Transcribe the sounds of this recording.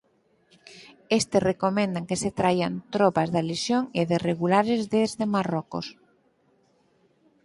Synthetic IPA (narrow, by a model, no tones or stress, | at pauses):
est̪esrekomẽnd̪aŋkeset̪ɾajant̪ɾɔpazðalesjoŋeðɪreɣulaɾezðezðemarɔko̰s